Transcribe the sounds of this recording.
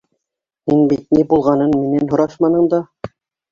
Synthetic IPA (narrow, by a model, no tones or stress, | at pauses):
hinbit̪̚nibulˠʁɑnɤnminænɦŏɾɑʃmɑnɤɴd̪ɑ